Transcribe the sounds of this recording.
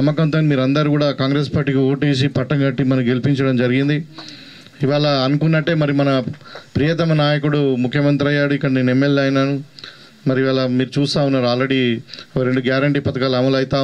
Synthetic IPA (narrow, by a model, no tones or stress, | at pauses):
ɐmːɐkɐnt̪oːnimiːɾɐnd̪ɐɾikuːɽaːkaːŋɡɾe̞ːspaːɾʈːiːkioːʈiːsipɐʈːɐŋɡɐʈːimɐnɐmɡe̞lipiɲt͡ʃɐɽɐmd͡ʒɐɾiɡind̪i | iʋaːɭɐːnukunːɐʈːe̞ːmɐɾimɐnɐpɾijɐt̪̬ɐmɐnaːjɐkuɽumukʰjɐmɐnt̪ɾɐjaːɽuikːɐɽɐnenemːelɐjnaːnu | mɐɾiiʋaːɭɐmiːɾut͡ʃuːst̪aːunːaːɾuaːlɾe̞ɽiokɾeɳɖuɡjaːɾɐɳʈiːpɐt̪ɐkaːluɐmɐlɐjit̪aː